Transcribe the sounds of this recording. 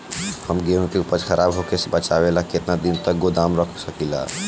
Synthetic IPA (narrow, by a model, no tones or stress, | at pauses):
həmɡeɦũkeupəɾxəɾʔabɦokesebət͡ʃabelaket̪nad̪int̪ək̚ɡod̪amɾəkʰsəkila̰